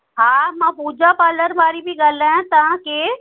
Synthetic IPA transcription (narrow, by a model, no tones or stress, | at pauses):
ɦãːmãpuːd͡ʒapaːləɾʋaːɾibʱiɡɐlaãt̪aãke